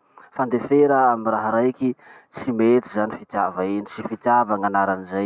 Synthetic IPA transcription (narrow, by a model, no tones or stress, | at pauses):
fand̪efeɾəamiraɦɾajkʲi | t͡simet̪izanifit̪javaenit͡sifit̪javaŋanaɾanizaj